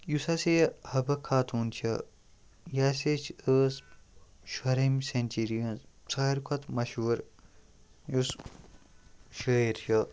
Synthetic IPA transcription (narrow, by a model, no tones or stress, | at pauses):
jusɐsehɐbɐkʰaːt̪ʰuːnt͡ʃʰɐ | jaːset͡ʃʰəːs | ʃɐɾɐmsenʲt͡ʃiɾijɐ̃nzsaːɾkʰɐt̪mɐʃuːɾ | jus | ʃəiɾt͡ʃʰɐ